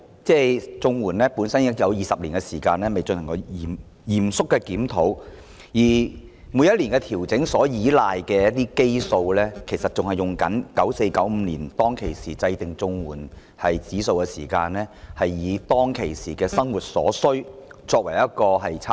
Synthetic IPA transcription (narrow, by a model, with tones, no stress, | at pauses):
t͡sɛː˥˩t͡sʊ˧ŋwuː˨˩nlɛː˥puː˨˥nsɐ˥njɐ˥kjɐ˨˧wjiː˨sɐ˨p̚liː˨˩nkɛ˧siː˨˩kaː˧nlɛː˥me˨jt͡ʃɵ˧nhɐ˨˩ŋkɔ˧jiː˨˩m | jiː˨˩msʊ˥kːɛː˧kiː˨˥mt̪ʰo˨˥w | jiː˨˩ | muː˨˧jɐ˥t̚liː˨˩nkɛ˧t̪ʰiː˨˩wt͡sɪ˨˥ŋsɔː˨˥jiː˨˥laː˨jkɛː˧jɐ˥t̚t̪iː˥ke˥jso˧wlɛː˥kʰe˨˩jsɐ˨t̚t͡sʊ˨ŋhɐ˨˩jʊ˨ŋkɐ˨˥nkɐ˨˥wse˧jkɐ˨˥wm̩ː˨˧liː˨˩nt̪ɔː˥ŋkʰe˨˩jsiː˨˩t͡sɐ˧jt̪ɪ˨ŋt͡sʊ˧ŋwuː˨˩n | hɐ˨jt͡siː˨˥so˧wkɛ˧siː˨˩kaː˧nɛː˥hɐ˨jːiː˨˧t̪ɔː˥ŋkʰe˨˩jsiː˨˩kɛː˧sɐ˥ŋwuː˨˩t̚sɔ̰ː˨˥sɵ˥ɥt͡sɔː˧k̚wɐ˨˩jɐ˥t̚kɔː˧ɦɐ˨jt͡sʰː